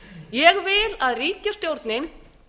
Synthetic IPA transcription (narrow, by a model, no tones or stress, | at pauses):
jɛɣvɪlaðriːcast̪jowɾt̪nɪn